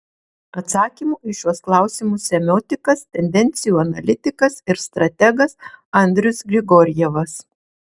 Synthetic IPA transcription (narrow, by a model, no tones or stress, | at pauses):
ɐt̪sɑːkʲiːmuːɪʃʲjuɔsklˠɑˑʊsʲɪmʊsʲɛmʲoːt̪ʲɪkɐst̪ʲɛnʲd̪ʲɛnʲt̪sʲɪjuːɐnɐlʲɪt̪ʲɪkɐsɪɾst̪ɾɐt̪ʲɛɡɐsɐnʲd̪ʲɾʲʊsɡɾʲɪɡɔːɾʲjɛʋɐs